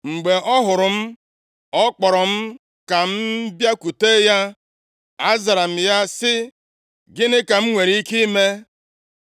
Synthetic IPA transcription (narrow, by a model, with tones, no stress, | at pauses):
ŋ͡m̩˨ɡ͡be˨ʔɔ˦ɦʊ˨ɾʊ˨m̩˦ | ɔ˦k͡pɔ˨ɾɔ˨m̩˦ | ka˨m̩˦bja˦ku˨te˦ja˦ | a˦za˨ɾa˨m̩˨ja˦sɪ˦ | ɡɪ˦nɪ˦ka˨m̩˦ŋʷe˨ɾi˦i˦ki˦i˦me˦